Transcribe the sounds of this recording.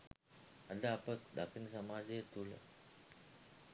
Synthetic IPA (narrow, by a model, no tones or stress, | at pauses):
ad̪əapəd̪akənəsamaːdejət̪ulə̰